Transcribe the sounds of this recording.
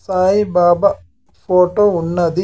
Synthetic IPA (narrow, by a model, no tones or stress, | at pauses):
saːjibaːbɐ | foːʈounːɐðɯ